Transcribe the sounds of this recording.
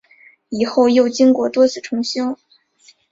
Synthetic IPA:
i˨˩xo˥˧ʊjo˥˩ʊt͡ɕi˥ŋkwɔ˥˩t̪wɔ˥t͡sʰɹ̩˥˩ʈ͡ʂʰʊ˧˥ŋɕjɑ˥ʊ

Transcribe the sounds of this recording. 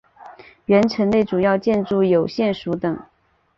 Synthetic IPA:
ɥɛ˧˥nʈ͡ʂʰə˧˥ŋle˥˩ɪʈ͡ʂu˨˩jɑ˥˧ʊt͡ɕjɛ˥˧nʈ͡ʂu˥˩jo˨˩ʊɕjɛ˥˩nʂu˧˥t̪ɤ˨˩˦ŋ

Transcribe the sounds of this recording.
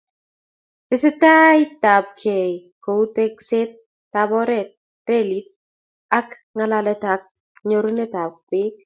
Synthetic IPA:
tɪ˨sɪ˦t̪a˦jt̪a˨b̚kʰe˨ko˨u˦t̪e˦kse˦t̚ː | abɔ˦ɾɛ˨t̪̚ | ɾelit̪̚ | a˦k | ŋalalɛ˦t̪a˨k̚ | ɲoɾu˦ne˦ta˨p̚bɪ˦

